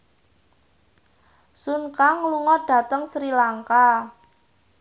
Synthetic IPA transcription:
sunkaŋluŋɔɖ̥a̤t̪əŋsɾilaŋka

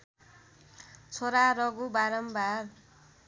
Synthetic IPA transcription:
t͡sʰoɾaɾʌɡubaɾʌmbar

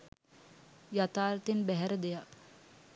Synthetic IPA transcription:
jat̪aːɾt̪enbæɦɛɾəd̪eja

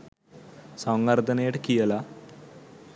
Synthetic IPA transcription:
sɐŋɡɐɾd̪ɐneːʈkijɐla

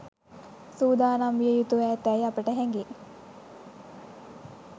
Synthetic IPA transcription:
suːd̪aːnamʋijəjut̪uʋɛːt̪ɛjapəʈəɦæŋɡe

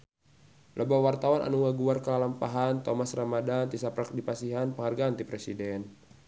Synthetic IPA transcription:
lʔəbawart̪awanʔa̰nuŋaɡuarkəlalampaɦant̪omasramadant̪isapɾak̚dipasiɦanpəŋharɡaːnt̪ipɾɛsidɛn

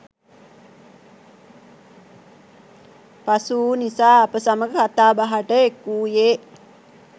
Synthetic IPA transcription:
pasuːnisaːɐpəsaməɡəkat̪aːbaɦaʈəekːuːjeː

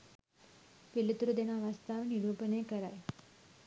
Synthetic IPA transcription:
pilut̪ɾud̪enaʋast̪aʋniɾupənekəɾaje

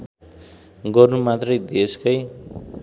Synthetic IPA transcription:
ɡʌrnumat̪rʌjd̪eskʌj

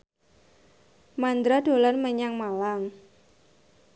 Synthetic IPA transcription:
mand̪ɾad̥o̤lanməɲaŋmalaŋ

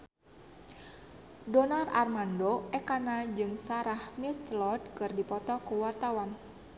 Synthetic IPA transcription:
dɔnararmandoɛkanad͡ʒɨŋsaɾahmirt͡ʃlɔd̪̚kɨrdipɔt̪ɔkuwart̪awan

